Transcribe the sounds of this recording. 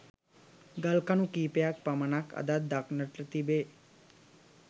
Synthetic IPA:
ɡəlkanukiːpejak̚pamənakʰɐ̰d̪ad̪aknəʈɾət̪ibe

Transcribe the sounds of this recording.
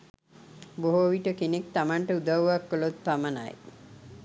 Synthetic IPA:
boɦoʋiʈəkenek̚t̪amaɳʈəud̪aʋʋakːəlot̪̚paməna̰j

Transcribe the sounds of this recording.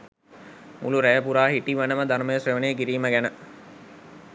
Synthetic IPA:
mʔṵluɾæjəpuɾaːɦiʈiʋanəməd̪aɾməjəsreʋəneːkiɾiːməɡænə

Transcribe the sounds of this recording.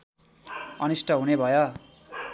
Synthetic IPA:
ʌnisʈʰʌɦunebʱʌjo

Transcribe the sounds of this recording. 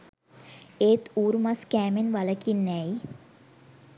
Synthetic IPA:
eːt̪uːɾumaskæːmenʋaləkinːɛi

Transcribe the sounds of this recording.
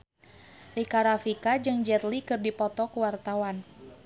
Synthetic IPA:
rikaɾafikad͡ʒɨŋd͡ʒɛrlikɨrdipɔt̪ɔkuwart̪awan

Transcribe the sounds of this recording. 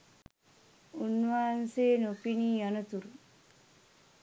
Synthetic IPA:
unːʋaːnseːnopiniːjʌnət̪uɾ

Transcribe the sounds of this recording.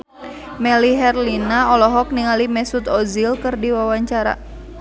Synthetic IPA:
mɛliɦɛrlinaɔlɔɦɔk̚niŋalimɛsut̪ɔzilkɨrdiwawaɲt͡ʃaɾa̰

